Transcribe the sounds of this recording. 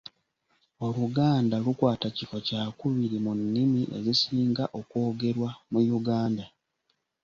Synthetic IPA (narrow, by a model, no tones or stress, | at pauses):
o̞luɡaːndalukwaːtacifo̞caːkuβiɾimunːimiʔe̞̰zisiːŋɡaʔo̞kwo̞ːɡe̞ɾwamujuɡaːnda